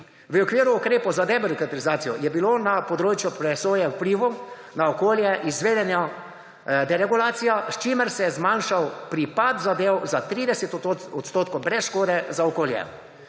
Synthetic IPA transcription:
ʋəɔkʋiːɾuːkɾeːpowzad̪ɛbɛɾikat̪ɐɾizaːt̪sijɔjɛbilonapɔd̪ɾoːt͡ʃjupɾɛsoːjɛwpliʋu | naɔkoːljɛʔizʋeːd̪ɛnja | d̪ɛɾɛɡulaːt̪sijast͡ʃiməɾsɛjɛzmanʃawpɾipat̪zad̪eːwzat̪ɾiːd̪ɛsɛt̪ɔt̪st̪oːt̪kowbɾɛsʃkoːd̪ɛzaɔkoːljɛ̰

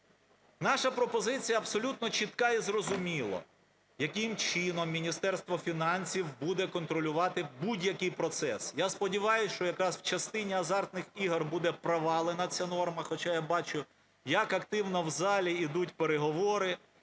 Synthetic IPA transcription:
nɑʃɐpɾɔpɔzɪt͡sʲijɐːbsɔlʲut̪nɔt͡ʃit̪kɑizrɔzʊmʲilˠɔ̰ | jɐkɪmt͡ʃɪnɔmːʲinʲist̪ɛrst̪ʋɔfʲinɑnʲsʲiwbud̪ɛkɔnt̪ɾɔlʲʊʋɑt̪ɪbudʲjɐkɪjpɾɔt̪sɛsjaspɔdʲiʋɑjʊsʲʃt͡ʃɔjɐkɾɑsw̥t͡ʃɐst̪ɪnʲiɐzɑrt̪nɪxiɦɐrbud̪ɛpɾɐʋɑlˠɪnɐt͡sʲanɔrmɐxɔt͡ʃajabɑt͡ʃʊ | jɐkɐkt̪ɪwnɔwzɑlʲiid̪utʲpeɾeɦɔʋɔɾɪ

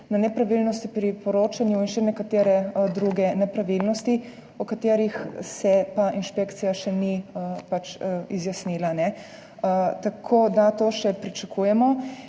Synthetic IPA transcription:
nanɛpɾaʋilnɔst̪pɾipɔɾoːt͡ʃanjuinʃɛnɛkat̪eːɾɛd̪ɾuːɡɛnɛpɾaʋilnɔst̪i | ɔkat̪eːɾixsɛpaʔinʃpekt̪sijaʃɛnipat͡ʃizjasnilanɛ | t̪akʰoːd̪at̪oːʃɛpɾit͡ʃakʰujɛmɔ

